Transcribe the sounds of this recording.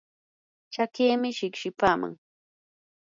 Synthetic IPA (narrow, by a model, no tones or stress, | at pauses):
t͡ʃakeːmɪʃɪkʃɪpaːma̰ŋ